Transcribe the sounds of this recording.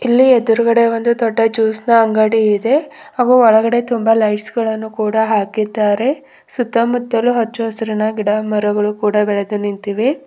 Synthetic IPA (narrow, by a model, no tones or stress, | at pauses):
ilːied̪uɾuɡɐɽe̞ʋond̪ut̪ɔʈːɐt͡ʃuːsnɐɐŋɡaːɽiːd̪e̞ɦaːɡuːɔɭɐɡɐɽe̞t̪umbɐlɐjʈsɡɐɭɐnːukuːɽɐɦaːkid̪aːɾe̞ | sut̪ːɐmud̪ːɐluɦɐt͡ʃːuɦɔsɐɾinɐɡiɽɐmɐɾuɡɐɭukuːɽɐbɛɭe̞d̪unint̪iʋi